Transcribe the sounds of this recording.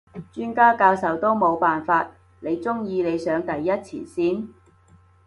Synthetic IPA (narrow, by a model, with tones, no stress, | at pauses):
t͡ʃyː˥nkaː˥kaː˧wsɐ˨˥wt̪o˥wmo˨˧wpaː˨nfaː˧t̚ | ne˨˧jt͡sʊ˥ŋjiː˧ne˨˧jsœː˨˧˥ŋt̪ɐ˨jːɐ˥t̚t͡sʰiː˨˩nsiː˥˩n